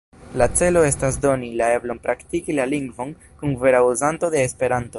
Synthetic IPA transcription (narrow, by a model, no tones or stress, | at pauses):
lat͡se̞lo̞e̞stasdo̞nilae̞blo̞npɾaktikilaliŋɡvo̞n | kunve̞ɾauzanto̞de̞ːspe̞ɾanto̞